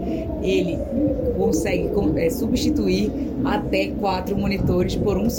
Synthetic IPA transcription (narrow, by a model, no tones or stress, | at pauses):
elɪ | kõsɛɡɪkõɛsubiʃt͡ʃit̪uiɾ | at̪ɛkwat̪ɾʊmõnit̪oɾɪspoɾũs